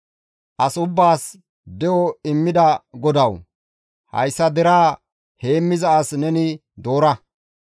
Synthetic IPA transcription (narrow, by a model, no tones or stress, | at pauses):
ʔɐsʊbːaːs | d̪ɛjɔɪmːɪd̪ɐɡɔd̪ɐw | hɐ̰jsːɐd̪ɛɾaː | he̞ːmːɪzɐːsnɛnɪ | d̪o̞ːɾɐ